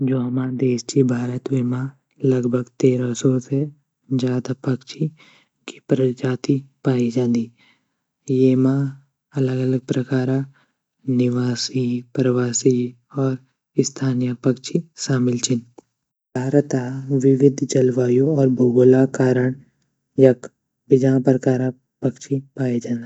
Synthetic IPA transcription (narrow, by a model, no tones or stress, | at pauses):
d͡ʒoːɦɐmãd̪eːʃt͡ʃibʱaːɾət̪ʋemã | ləɡbʱəɡt̪eːɾasɔse | d͡ʒaːd̪apəkʃi | ki̥pɾəd͡ʒaːt̪ipaːid͡ʒãːnd̪iː | jemã | ɐləɡələɡ̚pɾəkaːɾã | nɪʋaːsipɾəʋaːsi | ɔːɾ | ɪst̪ʰaːnijapəkʃʰiʃaːmɪlt͡ʃɪn | bʱaːɾt̪aʋɪʋɪd̪ʱd͡ʒɐlʋaːjõɔːɾbʱuɡʊlakaːɾəɳ | jɐk | bɪd͡ʒãpɾəkaːɾã | pəkʃʰipaːid͡ʒãːnd̪i